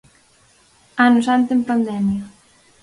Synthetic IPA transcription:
anuzant̪empand̪ɛmjɐ

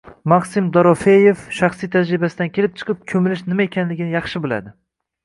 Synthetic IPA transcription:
maqsɪmd̪ɒɾɒfejefʃɑχsijt̪ʰad͡ʒɾɪbasɪd̪ankʲʰelɪp̚t͡ʃʰɨ̥qʰɨp̚kʲʰɵmɪlɪʃnɪmaekʲʰanlɪɡʲɪnɪjɑχʃɪbolˠa̰d̪ɪ

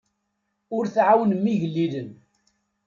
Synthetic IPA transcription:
ʊɾθʕawənmːiʝəlːilən

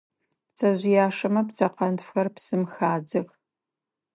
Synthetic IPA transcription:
pt͡sʰʼɐʑɪjaːʂɐmɐpt͡sʰʼɐqɐnfxɐrpsɨmxaːdɨʁ

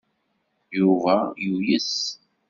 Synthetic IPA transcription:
juvæjujəs

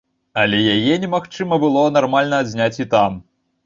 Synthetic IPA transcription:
ɐlʲɛjajɛnʲɛmaxt͡ʂɨmɐbɨlˠɔnarmalʲnɐːzʲnʲat͡sʲit̪am

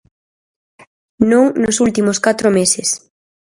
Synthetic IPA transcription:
nõŋnosult̪imoskat̪ɾomesɪs

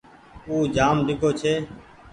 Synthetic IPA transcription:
uːd͡ʒaːmɖʱɪkoːt͡ʃʰeː

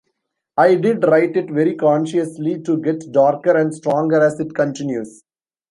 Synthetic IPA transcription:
aɪɖɪɖɾaɪʈɪʈʋɛɾikɔ̃ːnʃəsliʈuɡɛʈɖaːɾkəɾɛ̃ɳɖsʈɾɔ̃ːŋɡəɾæsɪʈkə̃ɳʈɪ̃njuːs

